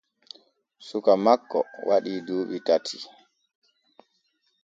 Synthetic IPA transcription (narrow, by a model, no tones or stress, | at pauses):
sukamakːɔ̰wʔaɗiːdoːɓitatʰi